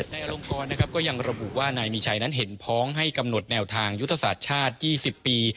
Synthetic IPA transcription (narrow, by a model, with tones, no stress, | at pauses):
na˧jʔa˧ɾo˧mkɔː˧nːa˦˥kʰa˦˥p̚kɔː˥˩ja˧ŋɾa˧bu˨˩ʔwaː˥˩naː˧jmiː˧t͡ɕʰa˧jna˦˥nɦe˩˦npʰɔː˦˥ŋɦa˥˩jka˧mno˨˩t̪̚nɛː˧wt̪ʰaː˧ŋju˦˥t̪ʰːa˧sa̰ː˨˩t̪̚t͡ɕʰaː˥˩t̪̚jiː˥˩si˨˩pːiː˧